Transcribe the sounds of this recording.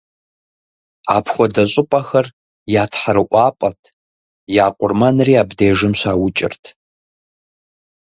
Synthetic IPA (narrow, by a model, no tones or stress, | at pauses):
a̰ːpʰχʷɔdɐɕʼʊpʼaxɐr | jaːtʰħaɾɨʔʷɑːpʼɐtʼʰ | jaːqʷʼʊrmanriːabdeːʐɨmɕʷaːwʊt͡ʃʼɪ̰rtʰ